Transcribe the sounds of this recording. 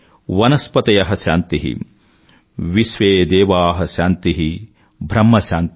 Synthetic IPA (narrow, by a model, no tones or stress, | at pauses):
ʋɐnɐspɐt̪ɐjɐɦɐʃaːnt̪iɦḭ | ʋiʃʋeːd̪eːʋaːɦɐʃaːnt̪iɦi | bʱɾɐmːɐʃaːnt̪